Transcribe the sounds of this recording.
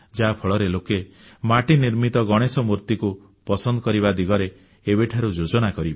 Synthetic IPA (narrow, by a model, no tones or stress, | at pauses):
d͡ʒapʰɔɭɔɾeloke | maʈiniɾmit̪ɔɡɔɽ̃esɔmuɾt̪iku | pɔsɔnd̪ɔkɔɾibad̪iɡɔɾe | ebeʈʰaɾud͡ʒod͡ʒɔnakɔɾibe